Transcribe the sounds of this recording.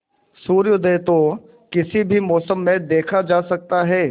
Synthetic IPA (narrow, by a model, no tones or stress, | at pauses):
suːɾjəd̪eːt̪o | kɪsibʱimɔːsəmːẽd̪eːkʰad͡ʒaːsɐk̚t̪aɦɛː